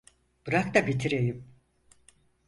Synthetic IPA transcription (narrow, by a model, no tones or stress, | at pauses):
b̥ɯɾakt̪abit̪ʰiɾejim